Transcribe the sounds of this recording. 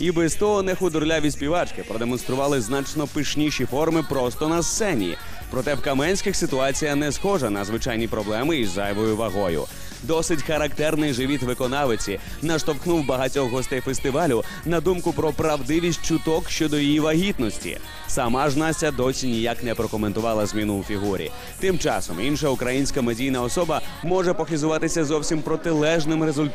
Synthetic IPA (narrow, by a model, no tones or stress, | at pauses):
ibɛzt̪ɔɦɔnɛxʊd̪ɔɾlʲaʋʲisʲpʲiʋat͡ʃkɪpɾɔd̪emɔnst̪ɾʊʋɑlˠɪznat͡ʃnɔpɪʃnʲiʃifɔrmɪpɾɔst̪ɔnɐst̪sɛnʲḭ | pɾɔt̪ɛwkɐmɛnʲsʲkʲɪxsɪt̪ʊɑt͡sʲijɐnɛsxɔʒɐnɐzʋɪt͡ʃajnʲipɾɔblˠɛmɪizajʋɔjʊʋɐɦɔjʊ̰ | d̪ɔsɪtʲxɐɾɐkt̪ɛrnɪjʒɪʋʲit̪ʋɪkɔnɑʋɪt͡sʲi | nɐʃt̪ɔwxnuwbɐɦɐtʲɔxɦɔst̪ɛjfest̪ɪʋalʲʊ | nɐd̪umkʊpɾɔpɾɐwd̪ɪʋʲisʲt̚ʲt͡ʃʊt̪ɔkʃt͡ʃɔd̪ɔjijiʋɐɦʲit̪nɔsʲtʲḭ | sɐmaʒnasʲtʲːɐd̪ɔsʲinʲijaknɛpɾɔkɔment̪ʊʋɑlˠɐzʲmʲinʊwfʲiɦuɾʲḭ | t̪ɪmt͡ʃɑ̰sɔ̰minʃɐukɾɐjinʲsʲkɐmedʲijnɐɔsɔbɐmɔʐɛpɔxizʊʋɑt̪ɪsʲɐzɔwsʲimpɾɔt̪ɪlˠɛʒnɪmɾezʊlʲt̪